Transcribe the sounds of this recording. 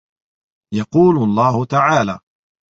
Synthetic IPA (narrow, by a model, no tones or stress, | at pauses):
jɑquːlʊlˤːɑːhʊt̪aʕaːla̰ː